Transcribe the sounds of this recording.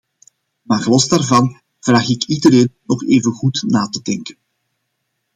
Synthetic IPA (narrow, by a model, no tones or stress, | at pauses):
maːrɣəlɔzdaːrvɑn | v̥raːxɪkidəɾeːnnɔxeːvənɣutnaːtədɛŋkən